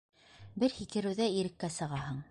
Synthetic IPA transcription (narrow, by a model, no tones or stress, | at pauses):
bɘɾhikɘ̆ɾɘ̆wðæiɾɘ̆kːæsɤ̆ʁɑɦɤɴ